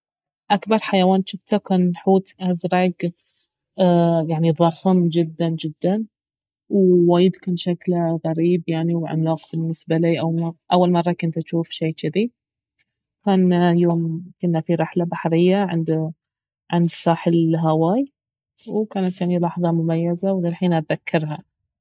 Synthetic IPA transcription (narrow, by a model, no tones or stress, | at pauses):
ʔakbɑɾˤħajawaːnʃɪft̪akaːnħuːt̪ʔazɾaɡ | jaʕniðˤɑħɪmd͡ʒɪd̪ːand͡ʒɪd̪ːan | wwaːjɪd̪kaːnʃaklɣaɾiːbjaʕniwʕa̰naːqbɪnːɪsbaliːʔawmaʔawːalmɑrˤːɑkɪnt̪at̪ʃuːfʃiːt͡ʃɪði | kaːnjoːmkʊnːafiɾɪħlabaħɾɪjːaʕɪ̰nd̪ | ʕɪnd̪sˤɑːħɪlɦawaːj | wkaːnat̪jaʕnilɑħðˤɑmʊmajːazawðɪlħiːnat̪̚ðakʰːɪɾˤɦa